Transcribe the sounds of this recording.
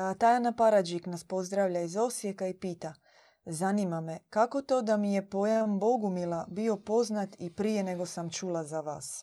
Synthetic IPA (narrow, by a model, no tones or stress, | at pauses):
t̪ajanapaɾad͡ʒiknaspo̞zd̪ɾaːʋʎaizo̞sjekaipiːt̪a | zaniːmame̞kako̞t̪o̞ːd̪amije̞po̞jambo̞ɡumilˠabio̞po̞znat̪ipɾije̞ne̞ɡo̞samt͡ʃuːlazaʋa̰ːs